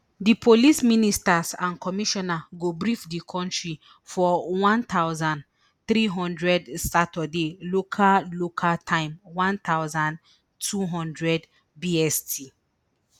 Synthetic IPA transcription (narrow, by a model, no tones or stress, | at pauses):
dipʰolisministasãnkʰɔmiʃɔnaɡobɹifdikʰɔ̃ntɹi | fɔwãnt̪awzãn | θɾiɦɔ̃ndɹɛdsatɔdelokʰalokʰaltʰãɪ̃mwãnt̪awzãn | tʰuɦɔ̃ndɹɛd | biɛstʰi